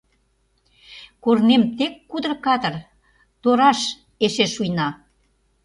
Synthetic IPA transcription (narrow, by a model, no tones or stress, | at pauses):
kornemt̪ekːud̪ərkɑt̪ə̆r | t̪oɾɑʃ | eʃeʃujnɑ